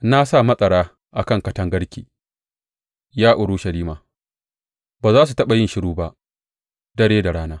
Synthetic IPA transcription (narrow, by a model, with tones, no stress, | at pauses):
na˦sa˦˨mɐ˦sʼɐ˨ɾaː˦ | ʔa˨kɐ˦˨ŋkɐ˦tɐ˦ŋɡɐ˦ɽkʲiː˨ | jaː˦ʔʊ˨ɽʊ˦ʃɐ˨liː˦maː˨ | baː˨zaː˦s̬u˨tɐ˦ɓɐ˨jɪ˦nʃɪ˦ɽuː˦ba˦ʔ | dɐ˦ɽeː˦da˨ɽaː˦naː˦